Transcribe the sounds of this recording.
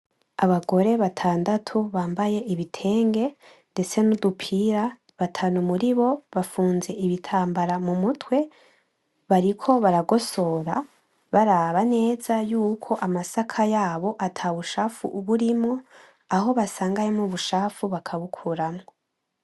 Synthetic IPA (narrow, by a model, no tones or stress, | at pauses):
aβaɡo̞ɾe̞βatʰaːndatʰuβaːmbaje̞ʔiβitʰe̞ːŋɡe̞ | nde̞t͡se̞nudupʰiɾa | βatʰanumuɾiβo̞βafuːnze̞ʔiβitʰaːmbaɾamumutwe̞ | βaɾikʰo̞βaɾaɡo̞so̞ɾa | βaɾaβane̞ːzajuːkʰo̞ʔamasakʰajaːβo̞ʔatʰaβuʃaːfṵʔuβuɾimŋo̞ | aɦo̞βasaːŋɡajemuβuʃaːfuβakʰaβukʰuɾamŋo